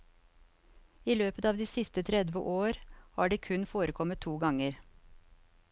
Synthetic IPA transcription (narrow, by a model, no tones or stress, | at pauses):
iːløːpət̪ɑːʋd̪iːsɪst̪ət̪ʰɾɛd̪ʋə̰ʔoːɾhɑ̰ːɖiːkʰʉnfoːɾəkʰɔmət̪ʰːuːɡɑŋəɾ